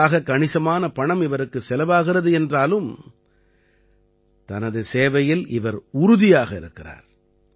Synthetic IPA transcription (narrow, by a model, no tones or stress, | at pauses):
aːɣɐkːɐɳɪsɐmaːnɐpɐɳɐmɪʋɐɾɯkːɯsɛlɐʋaːɣɪrɐðɯɛndraːlɯm | t̪ɐnɐðɯseːʋɐjɪlɪʋɐɾʊɾʊðɪjaːɣɐɪɾɯkːɪra̰ːɾ